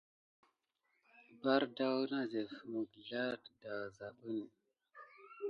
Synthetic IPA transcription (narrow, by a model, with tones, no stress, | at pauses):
ba˦ɾda˦wna˦ze˨fmu˨ɡɮa˦da˨wza˨ɓə˦n˨